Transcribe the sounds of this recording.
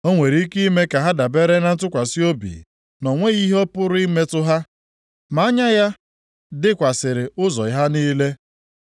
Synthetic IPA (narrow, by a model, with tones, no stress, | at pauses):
o˦ŋʷe˨ɾi˦ki˦me˦ka˨ɦa˦da˨be˦ɾe˦na˨n̩˦tʊ˦kʷa˨si˦o˦bḭ˨ | nɔ˨ŋʷe˦i˦ɦɔ˦pʊ˦ɾʊ˦i˦me˦tʊ˦ɦa˦ | ma˨a˦ɲa˦ja˦ | dɪ˦kʷa˨sɪ˨ɾɪ˨ʊ˦zɔ˨ɪ˨ɦa˦niː˦le˦